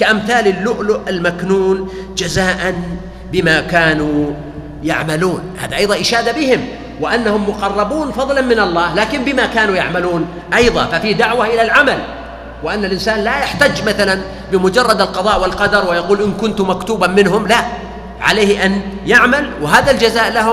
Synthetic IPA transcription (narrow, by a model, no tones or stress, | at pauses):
kaʔamθaːlɪlːʊʔlʊʔalmaknuːn | d͡ʒazaːʔan | bɪmakaːnu | ja̰ʕmaluːnha̰ːðaʔɑjðˤɑʔɪʃaːd̪abɪhɪm | wɪʔanːahʊmːʊqɑrˤːɑbuːnfɑðˤlɑnmɪnɑlˤːɑːhlaːkɪmbɪmakaːnujaʕmaluːn | ʔɑjðˤɑ̰fafiːd̪aʕwaʔɪlalʕamal | wɪʔanːalʔɪnsaːnlajaħt̪aːd͡ʒmaθalan | bɪmʊd͡ʒɑrˤːɑd̪alqɑðˤɑːʔwɪlqɑd̪ɑɾˤwɪjɑquːlʔɪnkʊnt̪ʊmakt̪uːbamɪnɦʊmla | ʕa̰leːhʔanjaʕmalwɪɦaːðald͡ʒazaːʔlaɦʊ